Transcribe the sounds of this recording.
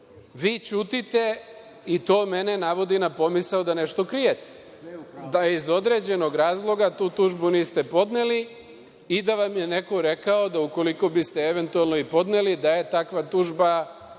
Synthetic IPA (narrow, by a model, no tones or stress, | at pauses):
ʋiːt͡ʃuːt̪it̪e̞ | it̪o̞ːme̞ne̞naʋo̞d̪inapo̞misaud̪ane̞ʃt̪o̞kɾijet̪e̥ | d̪aizo̞d̪ɾe̞d͡ʑe̞no̞ɡɾaːzlˠo̞ɡat̪uːt̪uːʒbuniːst̪e̞po̞d̪ne̞li | id̪aʋamje̞ne̞ko̞ɾe̞kao̞d̪auko̞liko̞bist̪e̞eʋe̞nt̪ualˠno̞ipo̞d̪nelid̪aje̞t̪akʋat̪uːʒba